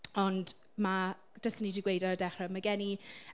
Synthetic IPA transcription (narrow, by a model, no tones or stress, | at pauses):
ɔnd | ma | d̥əsənidiɡwejdaɾədɛχrɛmaɡɛni